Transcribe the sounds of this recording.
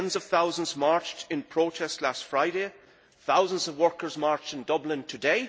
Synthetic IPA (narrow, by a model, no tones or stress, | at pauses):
ndzʌv̥θaʊzə̃nzmaɹt͡ʃtʰɪ̃npʰɹ̥otʰɛstˡlastfɹaɪɾe | θaʊzə̃nzʌvwɜ˞kə˞zmaɹt͡ʃtɪ̃n̩dʌblɪ̃ntʰədeɪ